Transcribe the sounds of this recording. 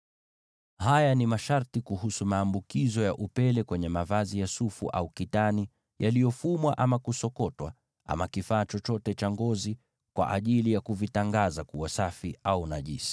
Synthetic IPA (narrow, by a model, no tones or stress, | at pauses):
hajanimaʃaɾtikuhusumaːmbukizɔjaʔupɛlɛkwɛɲɛmavazijasufuʔa̰ukitani | jalijɔfumwaʔamakusɔkɔtwa̰ | ʔa̰makifaːt͡ʃɔt͡ʃɔtɛt͡ʃaŋɡɔzi | kwa̰ʔaʄilijakuvitaŋɡazakuasafiaunaʄisi̥